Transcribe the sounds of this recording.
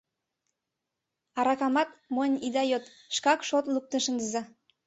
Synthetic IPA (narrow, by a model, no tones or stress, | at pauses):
ɑɾɑkɑmɑt̪monʲid̪ɑjot̪ | ʃkɑkʃot̪luk̚t̪əʃənd̪əzɑ